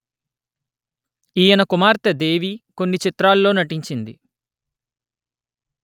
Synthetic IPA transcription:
iːjɐnɐkumaːɾt̪ɐd̪e̞ːʋiko̞nːit͡ʃit̪ɾaːlːo̞ːnɐʈiɲt͡ʃind̪ḭ

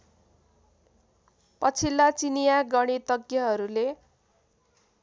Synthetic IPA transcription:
pʌt͡sʰilːat͡sinijaɡʌɽ̃it̪ʌɡjʌɦʌɾule

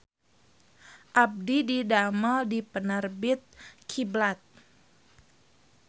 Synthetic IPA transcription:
ʔap̚dididamaldipənərbit̪̚kʰiblat̪̚

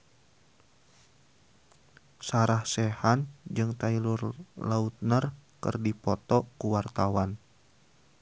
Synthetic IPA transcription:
saɾahsɛhand͡ʒɨŋt̪ailʊrlaut̪̚nərkɨ̰rdipɔt̪ɔkuwart̪awan

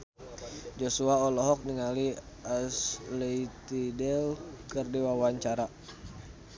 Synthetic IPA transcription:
d͡ʒosuaɔlɔɦɔk̚niŋali | aslɛit̪idɛlkərdiwawaɲt͡ʃaɾa

